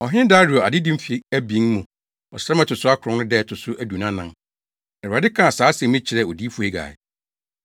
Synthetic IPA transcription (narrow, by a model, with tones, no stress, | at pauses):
ɔ˨ɦɪ̃˦n˦da˦ɾu˨ɔ˨a̰˨dɪ˦dĩ˦m̩˦fe˦æ˦bĩ˨˦ŋmũ˨ | ɔ̰˨sɛ˦mɛ̃˦tʰʊ˨sʊ˦a˦kʰʊ̃˨˦n˦nʊ̃˦dɛ˦˨tʰʊ˨sʊ˦ʔæ˨du˨nã˦nã˦ŋ | ɛ˨a˨dɪ˦kʰã˦˨saː˨˦sɛ̃˨mĩ˦t͡ɕʰɪ˨ɾɛ˦˨ɔ˨di˦fu˨e˦ɡa̰ː˨ɪ̰˨